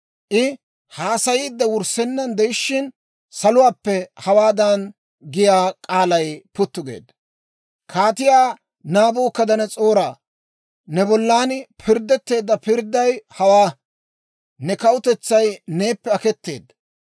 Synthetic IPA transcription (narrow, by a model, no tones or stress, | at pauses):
ʔɪ | haːsɐjiːd̪ːɐwʊɾsɛnːɐnd̪ɛjɪʃːɪn | sɐlʊwaːpːɛhɐwaːd̪ɐn | ɡɪjaːkʼaːlɐjpʊt̪ːʊɡḛːd̪ːɐ | kʰaːt̪ɪjaː | naːboːkːɐd̪ɐnɛt͡sʼo̞ːɾaː | nɛbɔlːaːnpʰɪɾd̪ɛt̪ːe̞ːd̪ːɐpɪɾd̪ːɐjhɐwaː | nɛkɐwʊt̪ɛt͡sːɐjne̞ːpːɛɐkɛt̪ːe̞̰ːd̪ːɐ